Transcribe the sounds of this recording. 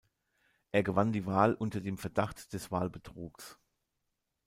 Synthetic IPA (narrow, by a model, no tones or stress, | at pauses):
ʔeːɐɡəvandiːvaːlʔʊntɐdeːmfɛɐdaχtd̥ɛsv̥aːlbətʁ̥uːks